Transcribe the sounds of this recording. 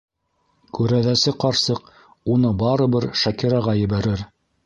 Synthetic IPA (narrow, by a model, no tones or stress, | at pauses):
kʉɾæðæsɘqɑɾsɤq | unɤbɑɾɤ̆bɘɾʃækiɾɑʁɑjɘ̆βæɾɘɾ